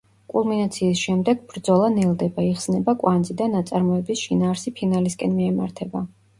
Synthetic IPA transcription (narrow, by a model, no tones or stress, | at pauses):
kʼulˠminat̪sʰiːsʃɛmd̪ɛɡbɾd̪zɔlˠanilˠd̪ɛbaiχsnɛbakʼwand̪zid̪anːat̪sʼaɾmɔɛbisʃinaːɾsipʰinaliskʼɛnmiɛma̰ɾt̪ʰɛba